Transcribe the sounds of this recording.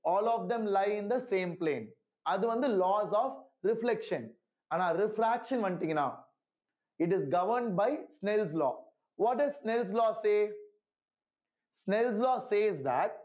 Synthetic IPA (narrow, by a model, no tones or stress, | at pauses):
ɔːlɔːfd̪ɛ̃mlaɪɪ̃nd̪ɐsẽːmplẽːn | ɐd̪uʋɐ̃nd̪ulɔːzɔːfɾɪflɛkʃɐ̃n | ɐ̃naɾɪfɾækʃɐ̃nʋɐ̃nt̪ĩŋna̰ː | ɪʈ̬ɪzɡɐʋəɾɳɖ̚baɪsnɛlslɔ̰ː | ʋɔːʈ̚ɖɐzsnɛls̬lɔːseː | snɛlslɔːseːzd̪æʈ̚